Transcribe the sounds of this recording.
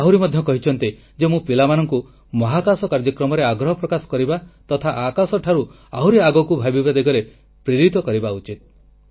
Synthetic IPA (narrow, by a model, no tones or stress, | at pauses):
aɦuɾimɔd̪ʱjɔkɔɦit͡ʃʰɔnt̪i | d͡ʒemũpilamanɔŋku | mɔɦakasɔkaɾd͡ʒɔkɾɔmɔɾeaɡɾɔɦɔpɾɔkasɔ̥kɔɾibat̪ɔt̪ʰaʔakasɔʈʰaɾu | aɦwɾiaɡɔkubʱabibad̪eɡɔɾe | pɾiɾit̪ɔkɔɾibaut͡ʃit̪̚